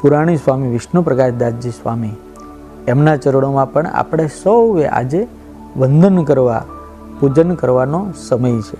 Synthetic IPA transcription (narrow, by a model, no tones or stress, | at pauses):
puɾaɽ̃isʋamiʋɪʃnopɾəkaʃd̪ad͡ʒisʋa̰mi | emnat͡ʃəɾoɽomãpəɳa̰pəɽ̃esəwʋeʔa̰d͡ʒe | ʋənd̪ʱənkəɾʋa̰ | pud͡ʒənkəɾʋanosəməjt͡ʃʰe